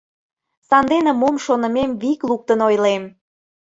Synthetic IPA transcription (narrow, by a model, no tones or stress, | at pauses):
sɑnd̪enə̆momʃonə̆memβikluk̚t̪ənojlem